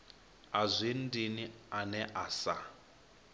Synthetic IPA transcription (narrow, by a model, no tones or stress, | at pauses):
azʷin̩dinianɛʔasa